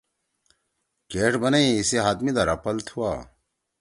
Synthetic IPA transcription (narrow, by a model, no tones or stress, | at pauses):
keːʈbɐneĩiseɦaːt̪mid̪aɾɐpɐlt̪ʰhua̰ː